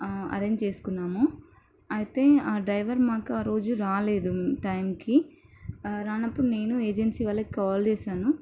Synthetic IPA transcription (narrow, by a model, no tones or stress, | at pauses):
ɐ̰ɾe̞ːɲd͡ʒt͡ʃe̞ːsu̥kunːaːmoː | ɐjit̪e̞ːaːɖɾɐjʋɐɾmaːkuaːɾo̞ːd͡ʒuɾaːle̞ːd̪uʈɐjmki | ɾaːnɐpːuɽune̞ːnue̞ːd͡ʒensiːʋɐlːɐki̥kaːlt͡ʃeːʃaːnu